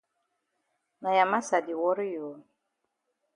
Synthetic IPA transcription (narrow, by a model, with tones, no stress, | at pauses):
na˨ja˨ma˦sa˨di˨wɔ˦ɾjo˨